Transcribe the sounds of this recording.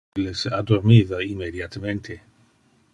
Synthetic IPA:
lesad̪oɾmiðainmːed̪jat̪ament̪ʰe

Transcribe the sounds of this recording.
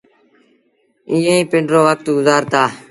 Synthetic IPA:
ĩːẽːĩːpɪ̃ɳɖɾoːʋək̚t̪ɡʊzaːɾt̪aː

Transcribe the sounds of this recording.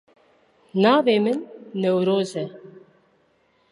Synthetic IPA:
naːveːmɨnːɛwɾoːzɛ

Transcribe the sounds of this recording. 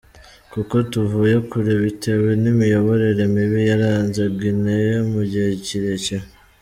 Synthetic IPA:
kuko̞tuvuːjekuɾeβite̞wenimijo̞βo̞ɾe̞ɾe̞miβijaɾaːnzeɡinejemuɟiheciɾe̞ce

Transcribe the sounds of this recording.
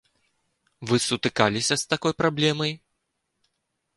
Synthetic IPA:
vɨsut̪ɨkalʲisʲɐst̪akɔjpɾablʲɛmɐj

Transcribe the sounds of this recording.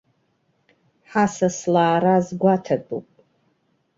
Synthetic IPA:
ħasaslaːɾazɡʷatʰadʼupʼ

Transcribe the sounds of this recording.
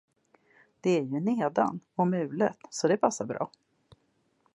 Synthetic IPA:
d̪̥ɛæɾjɵneːd̪a̰nɔmʉ̟ːlə̰t̪sɔd̪ɛpʰasːaɾbɾɑ̰ː

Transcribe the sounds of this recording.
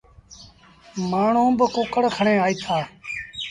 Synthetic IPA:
maːɳ̤õːbəkʊkəɽkʰəɳẽːaːiːt̪ʰaː

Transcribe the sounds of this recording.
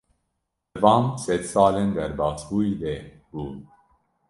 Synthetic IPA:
ɛvɑːmsɛd̪sɑːlend̪ɛɾbɑːsbuːid̪ɛ | buːn

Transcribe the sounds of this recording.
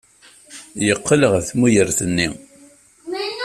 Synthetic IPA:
jəqːələʁθmujəɾθənːi

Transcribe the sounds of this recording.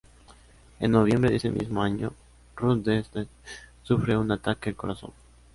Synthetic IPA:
enːo̞β̞je̞mbɾeðesḛmʔḭzmoaɲo̰ | rud̪esd̪esufɾe̞unat̪akeelko̞ɾaso̞̰n

